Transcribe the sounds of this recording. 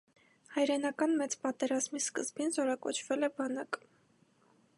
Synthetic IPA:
hɑjɾɛnɑkɑnmɛt͡spɑt̪ɛɾɑzmiskə̰zbinzɔɾɑkɔt͡ʃʰvɛlɛbɑnɑk

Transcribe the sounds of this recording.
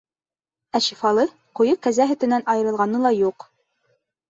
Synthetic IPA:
æʃifɑlˠɤ | qujɤkæzæɦɵ̆t̪ɘ̆nænɑjɤ̆ɾɤ̆lˠʁɑnɤlˠɑjuq

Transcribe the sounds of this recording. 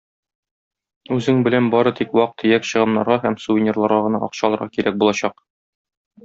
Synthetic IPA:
ʉzɘŋbɘ̆lænbɒɾɤt̪ikwɒq̚t̪ʰɘjækɕɤ̆ʁɤ̆nːɑ̰ɾʁɑhæmsuvʲɪnʲerlˠɑɾʁɑʁɤ̆nɑʔɒqɕɑlˠɤ̆ɾʁɑkiɾæk̚bulˠɑɕɑq

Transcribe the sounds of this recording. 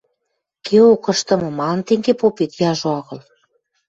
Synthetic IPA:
kʰeokɤ̆ʃt̪ɤ̆mɤ̆mɑnt̪eŋɡepopet̪jɑʒoɑɣɤ̆l

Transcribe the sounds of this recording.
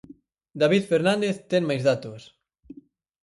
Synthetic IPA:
d̪aβiðfeɾnãnd̪eθt̪eŋmajzðat̪os

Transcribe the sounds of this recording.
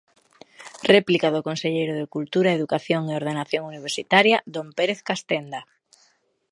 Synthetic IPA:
rɛplikaðokonseʎejɾʊð̞ekult̪uɾaeðukaθjoŋeoɾðenaθjoŋuniβ̞eɾsit̪aɾjad̪ompeɾeθkast̪end̪a

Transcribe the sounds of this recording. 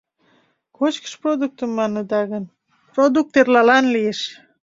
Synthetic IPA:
kot͡ɕkə̥ʃprod̪uk̚t̪əmːɑnəd̪ɑɣən | prod̪uk̚t̪erlɑlɑnlijeʃ

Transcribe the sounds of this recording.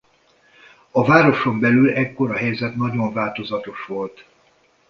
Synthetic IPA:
ɒvaːɾo̞ʃo̞mbɛlylɛkːo̞ɾɒɦɛjzɛt̪nɒɟo̞ɱvaːlt̪o̞zɒt̪o̞ʃʋo̞lt̪

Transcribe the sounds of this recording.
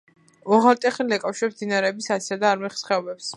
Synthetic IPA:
ɔʁaɾt̪ʼɛχlilɛkʼawʃɛmd̪inaɾɛːbisat̪siad̪aːɾmɛχsχɛɔbɛps

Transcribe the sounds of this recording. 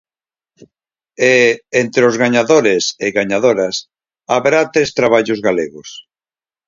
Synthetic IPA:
eent̪ɾozɣaɲaðoɾeseɣaɲaðoɾɐs | aβɾat̪ɾest̪ɾaβ̞aʎʊzɣaleɣʊs

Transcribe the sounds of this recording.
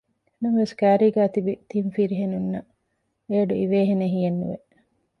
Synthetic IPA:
numɐʋeskæːɾiːɡæːt̪ibit̪imfiɾiɦenunːɐ | eːɐɖuiʋeːɦeneɦijenːṵʋe

